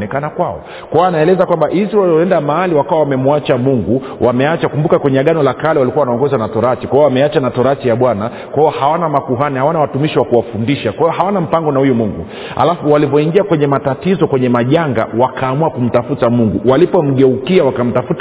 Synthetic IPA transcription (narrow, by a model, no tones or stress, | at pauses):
nɛkanakwaɔ̰ | kwawaanaɛlɛzakwambaʔizaliɔɛndamaaliwakawawamɛmuat͡ʃamuŋɡu | wʔamɛat͡ʃakumbukakwɛɲɛaɠanɔlakalɛwalikuawanaɔŋɡɔzanatɔɾat͡ʃikwaiɔwamɛat͡ʃanatɔɾat͡ʃijaɓwana | kwaiɔhawanamakuɦanihawanawatumiʃiwakuwafundiʃakwahiɔhawanam̩paŋɡɔnahujumuŋɡṵ | ha̰lafuwalivɔiŋɡiakwɛɲɛmatatizɔkwɛɲɛmaʄaŋɡa̰wakʰaːmuakum̩tafutamuŋɡuwalipɔm̩ɠɛukiawakam̩tafut